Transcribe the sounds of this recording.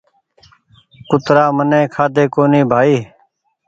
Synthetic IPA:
kʊt̪ɾaːmənẽːkʰaːd̪eːkoːniːbʱaːiː

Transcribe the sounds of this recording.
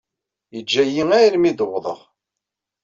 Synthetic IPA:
jəd͡ʒːæjiŋæɾmid̪əwðˤə̰ʁ

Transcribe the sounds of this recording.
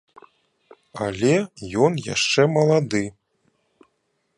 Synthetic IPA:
alʲɛjɔnja̰ʂt͡ʂɛmɐlˠad̪ɨ

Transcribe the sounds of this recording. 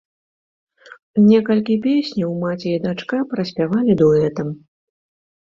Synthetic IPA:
nʲɛkɐlʲkʲipʲesʲnʲiwmat͡sʲiid̪at͡ʂkapɾɐsʲpʲavalʲid̪uɛt̪ɐm

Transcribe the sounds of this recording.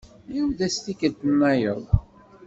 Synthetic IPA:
juvd̪æst̪ikəlt̪ənːæjə̰ðˤ

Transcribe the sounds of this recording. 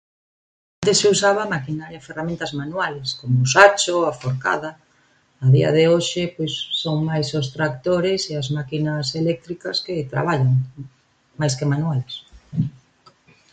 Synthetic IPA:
ant̪eseusaβ̞amakinaɾjaferamẽnt̪ɐzmanwaleskomosat͡ʃoafoɾka̰ðɐ | aðiɐ̰ðeoʃɪpojsːoŋmajsost̪ɾak̚t̪oɾeseazmakinɐselɛk̚t̪ɾikɐsket̪ɾa̰β̞aʎaŋ | majskemanuales

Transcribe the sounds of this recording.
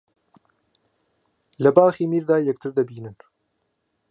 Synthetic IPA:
lɐbaːxiːmiːɾd̪aːjɛk̚t̪ʰɨɾd̪ɐbiːnɨn

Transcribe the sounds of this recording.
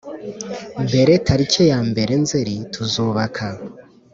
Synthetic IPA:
mbe̞ɾe̞tʰaɾico̞jaːmbe̞ɾe̞nzeɾitʰuzuːβakʰa

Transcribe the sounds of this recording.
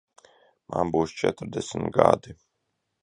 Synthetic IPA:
manbuːst͡ʃɛt̪ɾd̪ɛsmɡad̪i

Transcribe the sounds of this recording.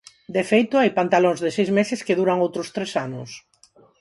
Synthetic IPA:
d̪efejt̪ʊajpant̪alõŋzðɪsejzmesɪskeðuɾaŋowt̪ɾʊst̪ɾesanʊ̰s

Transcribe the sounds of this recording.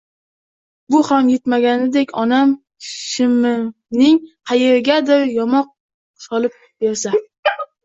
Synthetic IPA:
bʊhamjet̪maɡʲanɪd̪ekʲʰɒnam | ʃɪmɪ | nɪŋqʰɑjeɾɪɡʲad̪ɪɾjɒmɒq̚ | sɒlˠɪp̚ | b̥e̞ɾsa

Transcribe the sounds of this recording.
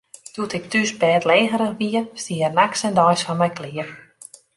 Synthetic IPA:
d̥utɪk̚tysbɛːtleːɣəɾəxʋiəstiərnaksɛndɔjsfɔnmɛjklɪə

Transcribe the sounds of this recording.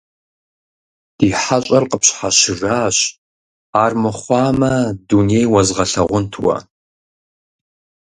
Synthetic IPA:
d̥iːħaɕʼɐrqəpɕħaɕɪraːɕ | aːrmɨχʷɑːmɐdunejwɐzʁɐɬɐʁʷʊntʰwɐ̰

